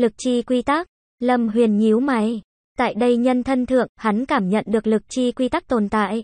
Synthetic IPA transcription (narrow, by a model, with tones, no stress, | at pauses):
lɨ˨˩k̚t͡ɕi˧kwi˧t̪a˦˥k̚ | lə˧˩mɦwḭ˨˩ənɲi˨˦əwma˨˦j | t̪a̰ː˧˨jɗə˧jɲə˧nt̪ʰə˧nt̪ʰɨ̰˧˨əŋha˨˦nkaː˧˩mɲə̰˧˨nɗɨ˨˩ək̚lɨ˨˩k̚t͡ɕi˧kwi˧t̪a˦˥k̚t̪o˨˩nt̪a̰ː˧˨j